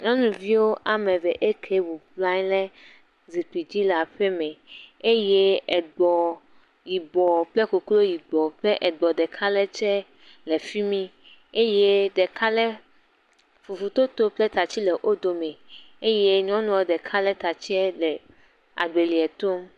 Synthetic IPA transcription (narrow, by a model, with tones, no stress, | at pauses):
ɲɔ̃˦nũ˨vi˦wo˦ʔa˨mɛ̃˨vɛ˨ʔe˦kʰe˦wu˨pla˦ɲ˦lɛ˦ | zi˨ti˨d͡ʑi˦la˨ɸɛ˦mɛ̃˨e˦je˦ɛ˨ɡ͡bɔ˨ | ji˨bɔ˨plɛ˦ko˨klo˦ji˨ɡ͡bɔ˨ɸlɛ˦ʔɛ˨ɡ͡bɔ˨ɖɛ˨kʰa˦lɛ˦t͡ʃɛ˦ | le˨fi˦mĩ˦ | e˦je˦ɖɛ˨ka˦lɛ˦ | fu˨fu˨t̪o˦t̪o˦plɛ˦t̪a˨t͡ɕi˦lɛ˨ʔo˦d̪o˨mɛ̃˨e˦je˦ɲɔ̃˦nũ˨wo˦ɖɛ˨kʰa˦lɛ˦t̪a˨t͡ɕi˦ɛ˦lɛ˨ | a̰˨ɖe˨li˨ɛ˨t̪o˦m